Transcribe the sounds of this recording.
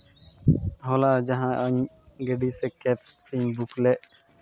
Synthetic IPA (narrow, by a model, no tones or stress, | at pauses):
ɦoːlaːd͡ʒəɦãːʔəɲ | ɡeɖiːseːkɛːp̚ | fiːmbukleːʔ